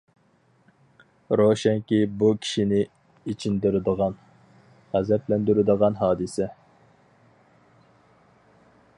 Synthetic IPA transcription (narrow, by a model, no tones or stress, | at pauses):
ɾoʃɛŋkʲibukʲʰi̥ʃinɪ | it͡ʃʰind̪ɪɾɪd̪əʁɑn | ʁæzɛplɛnd̪yɾɪd̪əʁɑnɦɑːd̪ɨsɛ